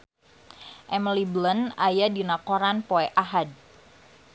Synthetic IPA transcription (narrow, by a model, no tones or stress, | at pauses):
ʔɛməliblənajadinakoɾanpoɛʔaɦad̚